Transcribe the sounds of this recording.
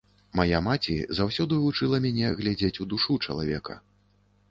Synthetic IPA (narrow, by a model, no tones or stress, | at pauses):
majamat͡sʲḭzawsʲɔd̪ɨvut͡ʂɨlˠɐmʲanʲɛɣlʲad͡zʲet͡sʲud̪uʂut͡ʂɐlˠavʲɛkɐ̰